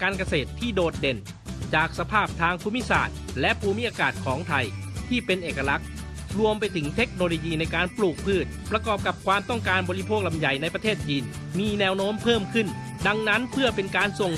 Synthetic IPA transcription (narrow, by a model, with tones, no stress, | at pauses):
kaː˧nka˧seː˨˩t̪ʰːiː˥˩doː˨˩t̪̚de˨˩n | t͡ɕaː˨˩k̚sa˧pʰaː˥˩p̚t̪ʰaː˧ŋpʰuː˧˥mi˥˩sa̰ː˨˩t̪̚lɛ˦˥ʔpʰuː˧mi˦˥ʔaː˧kaː˨˩t̪̚kʰɔː˩˦ŋt̪ʰa˧jt̪ʰiː˥˩pe˧nʔeː˨˩kːa˧la˦˥k̚ɾu˧əmpa˧jt̪ʰɯ˩˦ŋt̪ʰe˦˥k̚noː˧lo˧jiː˧na˧jkaː˧npluː˨˩k̚pʰɯː˥˩t̪̚pɾa˧kɔː˨˩p̚ka˨˩p̚kʰwaː˧mt̪ɔ˥˩ŋkaː˧nbɔː˧li˦˥pʰoː˥˩k̚la˧mja˨˩jna˧jpɾa˧t̪ʰeː˥˩t̪̚t͡ɕiː˧n | miː˧nɛː˦˧˥wnoː˦˥mpʰɤː˥˩mkʰɯ˥˩n | da˧ŋna˦˥npʰɯ˥˩ɐpe˧nkaː˧nso˨˩ŋ